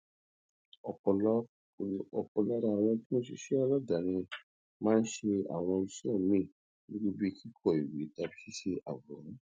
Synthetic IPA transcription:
ɔ˧pɔ˧l | ɔ˧pɔ˧la˦ɾa˧˨w̃ɔ̃˧ti˦mõ˦ʃe˧ʃe˦a˧lɔ˦da˨˦ñĩ˧ | mãː˦n̩˦ʃe˧a̰˨w̃ɔ̃˧i˧sĩ˦ɔ̃˦˨mĩ˦˨ | nĩ˦ɡ͡bo˦bi˦ki˦kʰɔ˦˨i˨wi˨˦ta˧bi˦si˦ʃe˧ʔa̰˨wɔ˨ɾũ˨˦

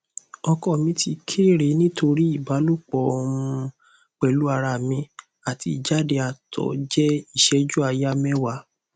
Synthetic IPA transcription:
ɔ˧kɔ˦˨mĩ˨˧ti˧kʰe˦˨ɾe˨˦nĩ˦tʰo˧ɾi˦i˦˨ba˨˦lu˦k͡pɔ˨˦˧ũ˧ | k͡pɛ˨lu˦a˧ɾa˨mĩ˧ | a˨ti˧˨d͡ʒa˦de˧a˨tʰɔ̰˨˦d͡ʒɛ˦i˦˨ʃɛ˧˦d͡ʒu˦a˧ja˦mɛ̃˦wa˨˧˦

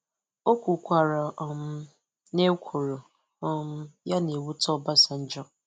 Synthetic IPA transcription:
o˦kʷu˨kʷa˨ɾa˨ɔ˨m˦ | ne˦kʷʰo˨ɾo˨ | ɔ˦m̩˦ja˦ne˨wu˦tɔ˦ba˦sa˨n̩˦d͡ʒɔ˦

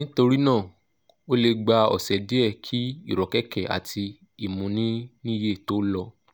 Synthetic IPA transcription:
nĩ˦to˧ɾi˦nãː˦˨ | o˦le˧ɡ͡ba˧ɔ̰˨sɛ˨de˨˦ɛ˦˨kʰi˦i˦˨ɾɔ˨kɛ˦kɛ˦˨a̰˨tʰi˧ | i˨mũ˨˦nĩ˦nĩ˦˧je˦˨to˨˦lɔ˧

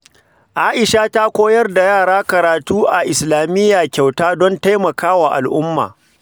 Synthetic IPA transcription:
ʔaː˦ʔɪ˨ʃaː˦ta˦kʷoː˦jɐ˦rda˨jaː˦˨ɽaː˦kɐ˨ɾaː˨tuː˦ʔa˨ʔɪ˨slaː˨mɪ˦jːaː˨kʲa˨wtaː˦dɔ˦nta˦jmɐ˨kaː˦waː˨ʔa̰˨lʔʊ˦mːa̰ː˨

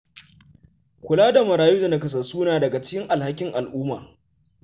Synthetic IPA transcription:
kʷʊ˨laː˦da˨mɐ˨ɾaː˨juː˦dɐ˨na˦kɐ˨s̬ɐ˨suː˦naː˨dɐ˨ɡa˨t͡ʃɪ̥˦kʲɪ˦ŋʔa˨lha˦kʲɪ˦ŋʔa˨lʔuː˦maː˨

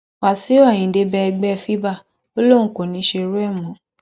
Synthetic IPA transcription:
wa˨si˨˦a˦˨j̃ĩ˨˦de˧˦bɛ˦ɛ˧ɡ͡bɛ˦˧fi˦ba˦˨ | o˦lõ˦˨˦ko˨nĩ˨˦ʃe˧ɾu˦ɛ˦˨mɔ̃˨˦

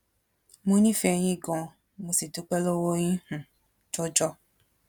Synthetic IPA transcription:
mõ˧nĩ˦fɛ˧j̃ĩ˦˨ɡɔ̃˨˧ | mo˧si˨tu˨˦k͡pɛ˦lo˦wo˦j̃ĩ˦h̩˨ | d͡ʒɔ˦d͡ʒɔ˦

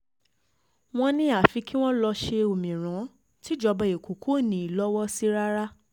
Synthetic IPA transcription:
w̃ɔ̃˧nĩ˦a˦˨fi˧ki˦w̃ɔ̃˦lɔ˧ʃe˧o˨mĩ˨ɾ̃ã˨˦ | ti˦d͡ʒɔ˧bɛ˧˨e˨ko˨kʰo˦˨nĩ˨˦i˨lɔ˦wɔ˦si˦ɾa˦ɾa˦

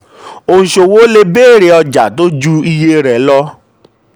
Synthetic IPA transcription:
o˦ũ˨ʃo˨wo˦le˦beː˦˨ɾe˧ɔ˧d͡ʒa˨to˦d͡ʒu˦i˧je˧ɾɛ˨˦lɔ˧˦

